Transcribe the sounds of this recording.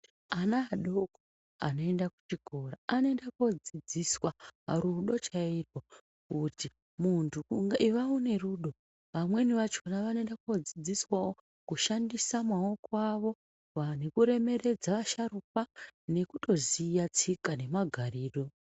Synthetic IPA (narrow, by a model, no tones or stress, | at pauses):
anaːɗoko | a̰no̞e̞ndaku̥t͡ʃiɡʱo̞ɾaanoe̞ndako̞d͡zid͡ziswaɾuɗo̞t͡ʃairwo | kuti | muntʰuŋɡaiʋaune̞ruɗo̞ | ʋamwe̞niʋat͡ʃo̞naʋanendako̞d͡zid͡ziswao | kuʃandisamwaokwaʋo̞ | ʋanekuɾe̞me̞re̞d͡zaʋaʃaɾup̚ane̞kuto̞zijat͡sikane̞maɡʱariːro̞